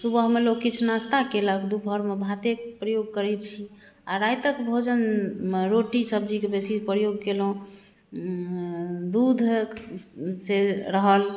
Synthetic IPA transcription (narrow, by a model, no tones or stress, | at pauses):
subəɦmeloɡkːit͡ʃʰnast̪akeləkd̪ubʱəɾmebʱat̪ekpɾəjoɡ̚kəɾɛt͡ʃʰi | aɾajt̪əkbʱod͡ʒənɾoʈisəb̚d͡ʒikebesipɾəjoɡkelõ | d̪ud̪ʱ | seɾəɦəl